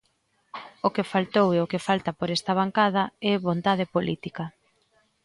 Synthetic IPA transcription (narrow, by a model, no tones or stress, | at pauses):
okefalt̪oweokefalt̪ɐpoɾɛst̪ɐβ̞aŋkaðɐɛβont̪aðepolit̪ikɐ